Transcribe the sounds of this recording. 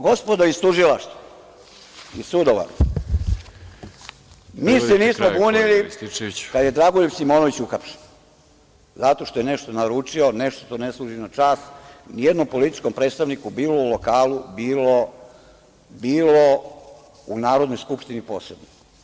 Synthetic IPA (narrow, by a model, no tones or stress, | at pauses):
ɡo̞spo̞d̪oist̪uʒilˠaʃt̪ʋo | isud̪oʋa̰ɾ | miːseniːsmoɡuːnili | kad̪je̞d̪ɾaɡojupsimoːnoʋit͡ɕuxapʃen | zat̪o̞ʃt̪ojene̞ʃt̪o̞naɾuːt͡ʃio̞ne̞ʃt̪ot̪oneslˠuːʒinat͡ʃaːsnijed̪no̞mpo̞lit̪i̥t͡ʃko̞mpɾeːt̪st̪aʋnikubiːlo̞ulokaːlubiːlo | biːlo | unaːɾo̞d̪no̞jskupʂt̪inipo̞ːsled̪nik